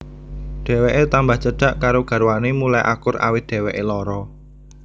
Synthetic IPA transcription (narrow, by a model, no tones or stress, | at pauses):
ɖ̪̥ɛ̤weʔet̪ambaht͡ʃəɖ̥a̤ʔkaɾoɡ̥ä̤ɾwanemulajʔa̰kʊra̰wɪt̪̚d̪̥ɛ̤weʔelɔɾɔ